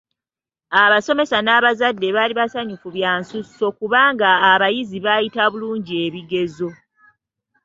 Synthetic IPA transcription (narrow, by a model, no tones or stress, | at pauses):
aβaso̞me̞sanaβazadːe̞βaːliβasaɲufuβjaːnsusːo̞kuβaːŋɡaːβajiziβajitaβuluːɲɟie̞βiɡe̞zo̞